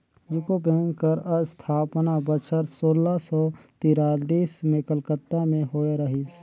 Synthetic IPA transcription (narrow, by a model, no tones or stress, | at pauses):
jʊkobẽːŋkəɾəst̪ʰaːpnabət͡ʃʰəɾsoːlasɔt̪iːɾaːliːsmẽkəlkət̪ːamẽɦoːeɾəɦis